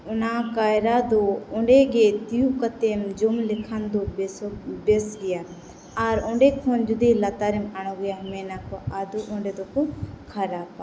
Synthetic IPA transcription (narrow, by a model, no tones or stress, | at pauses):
ʊnakajɾad̪ɔɔɳɖɛɡɛt̪ijukɐt̪emd͡ʒɔmlɪkʰand̪ɔ | bɛsɡɛja | aɾɔ̃ɳɖɛkʰɔnd͡ʒud̪ilat̪aɾɛmaɽ̃ɔɡɛjamɛnakɔad̪uʔɔ̃ɳɖɛd̪ɔkɔkʰaɾaːpa